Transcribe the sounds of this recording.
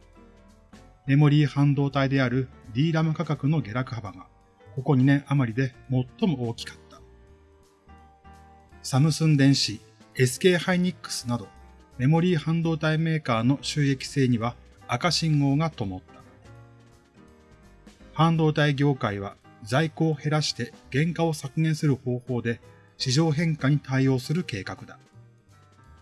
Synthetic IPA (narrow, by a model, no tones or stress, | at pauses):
me̞mo̞ɾʲiːhãnd̪o̞ːt̪aid̪e̞aɾɯ̟ɾʲiːɾamɯ̟kakakɯ̟no̞ɡʲe̞ɾakɯ̟habaɡa | ko̞ko̞ɲ̟inẽ̞ɰ̃ʔamaɾʲid̪e̞mo̞t̪ːo̞mo̞o̞ːkʲi̥kḁt̪ːḁ | samɯ̟sɨ̃nd̪ẽ̞ɰ̃ɕi | e̞sɨ̥ke̞ːhaiɲ̟ikːɯ̥sɨnad̪o̞ | me̞mo̞ɾʲiːhãnd̪o̞ːt̪aime̞ːkaːno̞ɕɨːe̞kʲi̥se̞ːɲ̟iβaː | kaɕĩŋɡo̞ːɡat̪o̞mo̞t̪ːḁ | hãnd̪o̞ːt̪aiɡʲo̞ːkaiβ̞azaiko̞ːhe̞ɾaɕi̥t̪e̞ɡ̥ẽ̞ŋkao̞sakɯ̟neɰ̃sɨɾɯ̟ho̞ːho̞ːd̪e̞ | ɕiʑo̞ːɦẽ̞ŋkaɲ̟it̪aio̞ːsɨɾɯ̟ke̞ːkakɯ̟d̪a